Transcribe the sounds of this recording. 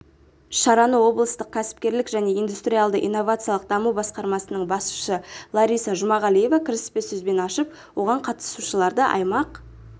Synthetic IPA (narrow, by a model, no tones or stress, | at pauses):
ʃɑɾɑnəwo̞blˠəst̪əq̚kʲʰæsɪ̥p̚kʲe̞ɾlɪkʒæne̞ijnd̪ust̪ɾʲijalˠd̪əʔḭjnːo̞vat̪sɨijɑlˠəq̚d̪ɑmuwbɑsqɑɾmɑsənəɴbɑsu̥ʃəlˠɑɾijsɑʒʊmɑʁɑlˠije̞vakʲʰɪɾɪspesɵzbe̞nɑʃəp | wo̞ʁɑɴqʰɑt̪ə̥suʃəlˠɑɾd̪əʔɑ̰jmɑq